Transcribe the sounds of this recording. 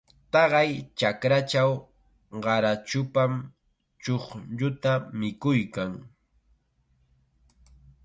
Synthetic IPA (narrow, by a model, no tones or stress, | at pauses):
t̪ɑɢɑjt͡ʃakɾat͡ʃaw | ɢɑɾat͡ʃʊpam | t͡ʃoχʎʊt̪amɪkʊjkaŋ